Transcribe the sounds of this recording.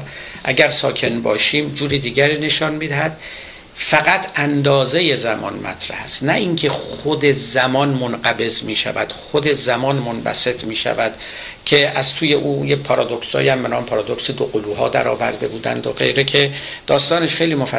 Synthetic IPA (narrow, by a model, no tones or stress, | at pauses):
ʔæɟæɾsɒːkʰe̞nbɒ̰ːʃiːmd͡ʒuːɾiːd̪iːɟæɾiːne̞ʃɒnmiːd̪æhæd̪̥ | fæɣæt̪ʰænd̪ɒːze̞je̞zæmɒ̰ːnmæ̰t̪ʰɾæ̰hæst̪næʔiŋcʰe̞xχod̪e̞zæmɒːnmonɢæbe̞zmiːʃæ̰væd̪̥xod̪e̞zæmɒːnmonvæ̰se̞t̪miːʃæ̰væd̪̥ | cʰe̞ʔæzt̪ʰuːje̞ʔuːjepʰɒɾɒːd̪oksɒ̰ːjæmbenɒːmepʰɒɾɒːd̪oksed̪oɡoluːɦɒ̰ːd̪æ̰ɾɒ̰ːvæ̰ɾd̪e̞buːd̪æ̰nd̪oɢe̞̰jɾecʰe̞d̪̥ɒːst̪ɒːneʃxe̞jliːmofæ